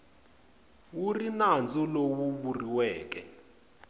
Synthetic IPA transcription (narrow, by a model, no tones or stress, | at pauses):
wurinand͡zɔlowuβuriwɛːk̬ɛ